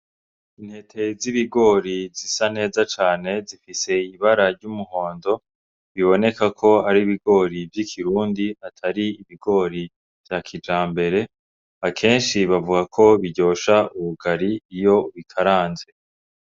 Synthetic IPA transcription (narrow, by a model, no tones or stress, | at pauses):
in̥he̞tʰe̞ziβiɡo̞ːɾizisane̞ːzat͡ʃaːne̞zifise̞iβaɾaɾɟumuho̞ːndo̞ | βiβo̞ne̞kakʰo̞haɾiβiɡo̞ːɾivjikʰiɾuːndiatʰaɾiiβiɡo̞ɾi | v̥jaːkʰid͡ʒaːmbe̞ɾe̞ | akʰe̞ːnʃiβavuɡakʰo̞βiɟo̞ːʃauβuɡaɾiːjo̞βikʰaɾaːnze̞